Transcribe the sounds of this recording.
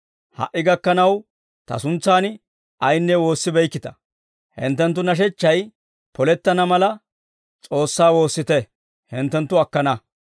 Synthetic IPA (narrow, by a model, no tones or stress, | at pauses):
hɐ̰ʔːɪɡɐkːɐnɐw | t̪ɐ̰sʊnt͡sːaːn | ɐjnːɛwo̞ːsːɪbɛjkːɪt̪ɐ̥ | hɪ̰nt̪ːɛnt̪̬ːʊnɐʃ̬ɛt͡ʃːɐj | pɔlɛt̪ːɐnɐmɐlɐ | t͡sʼo̞ːsːaːwo̞ːsːɪt̪ɛ | hɪnt̪ːɛnt̪ːʊɐkːɐnɐ